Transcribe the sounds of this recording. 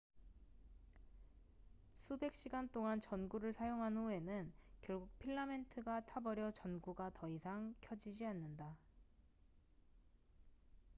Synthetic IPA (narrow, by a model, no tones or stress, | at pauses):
sʰube̞k̚ɕ͈iɡant͈oŋant͡ɕʌnɡuɾɯɭsʰajoŋɦanue̞nɯnkjʌɭɡuk̚pʰiɭːame̞ntʰɯɡatʰabʌɾjʌt͡ɕʌnɡuɡatʌisʰaŋkʰjʌd͡ʑid͡ʑianːɯnda